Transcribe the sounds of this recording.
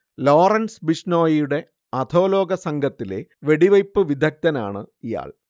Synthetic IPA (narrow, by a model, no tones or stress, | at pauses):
lo̞ːrɐnsbiʂno̞ːjijuɽe̞ | ɐd̪ʰʱo̞ːlo̞ːɡɐsɐŋɡʱɐt̪ːile̞̰ʋe̞ɽiʋɐjpːɨʋid̪ʱɐk̚t̪ɐna̰ːɳɨija̰ːɭ